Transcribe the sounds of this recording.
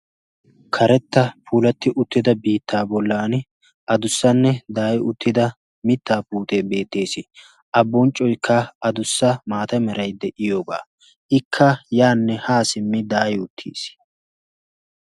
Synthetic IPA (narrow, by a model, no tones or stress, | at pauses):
kʰɐɾɛt̪ːɐpuːlɐt̪ːɪʔʊt̪ːɪd̪ɐbiːt̪ːaːbɔlːaːn | ʔɐd̪ʊsːɐnːɛd̪aːjʊt̪ːɪd̪ɐ | mɪt̪ːaːpuːt̪e̞ːbe̞ːt̪ːe̞ːsɪ | ʔɐbːɔnt͡ʃʼːɔjkʰːɐʔɐd̪ʊsːɐmaːt̪ɐmɛɾɐjd̪ɛʔɪjoːba̰ː | ʔɪkʰːɐjaːnːɛhaːsɪmːɪd̪aːjʊt̪ʰːḭːs